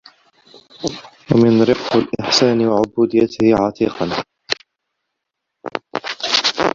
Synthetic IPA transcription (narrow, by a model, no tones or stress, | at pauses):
wamɪnɾɪqːalʔɪħsaːnɪwaʕʊbuːd̪ɪjːat̪ɪhʕɑt̪ʰiːqɑn